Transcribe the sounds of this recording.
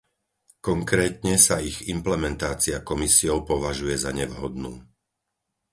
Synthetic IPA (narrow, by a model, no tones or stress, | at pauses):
kɔŋkɾɛːt̪ɲɛsaiɣimplɛmɛnt̪aːt͡siakɔmisiɔʊpɔʋaʒujɛzaɲɛʋɦɔd̪nuː